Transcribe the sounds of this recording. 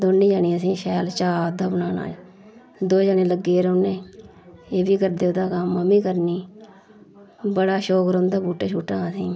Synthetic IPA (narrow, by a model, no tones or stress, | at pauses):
d̪oːniːd͡ʒaːniːəs̬ĩːʃɛːlt͡ʃaːd̪aːbənaːna̰ː | d̪oːd͡ʒaːnẽːləɡːeːɾoːnẽː | eːbiːkəɾd̪eːoːd̪aːkəmːəmiːkəɾniː | bəɽaːʃoːkɾõːnd̪aːbuːʈːt͡ʃʰuːʈːãːəsĩː